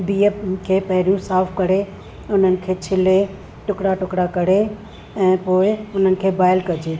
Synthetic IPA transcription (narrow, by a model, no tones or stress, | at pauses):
biːəkʰeːpɐɦɪɾijũsaːfʰkɐɽe | ʊn̤ənɪ̆kʰeːt͡ɕʰɪle | ʈʊkɽaʈʊkɽakɐɽ̤e | ɛ̃ːpoːɪʊn̤ənɪ̆kʰeːbaːɪlkɐd͡ʑeː